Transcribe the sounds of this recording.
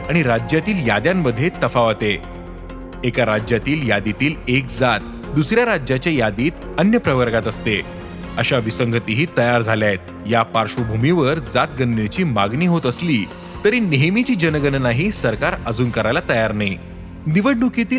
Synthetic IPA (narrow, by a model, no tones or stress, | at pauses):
aɽ̃iɾad͡ʑjat̪iːljad̪jamːəd̪ʱːjet̪əfaʋat̪e | ekaɾad͡ʑjat̪iːljad̪it̪iːlek̚d͡zat̪ | d̪usɾjaɾad͡ʑjat͡ɕjajad̪iːt̪ | ənjəpɾəʋəɾɡat̪əst̪e | əɕaʋisəŋɡʱət̪iɦiːt̪əjaɾd͡zʱaljajt̪̚ | japaɾʂʋəbʱumiʋəɾd͡zat̪̚ɡənd̪et͡ɕiːmaɡniːɦot̪əsliː | t̪əɾiːneɦmit͡ɕiːd͡ʑənəɡənnaɦiːsəɾkaɾəd͡zuːnkəɾajlat̪əjaɾnai | niʋəɽɖukit̪iːl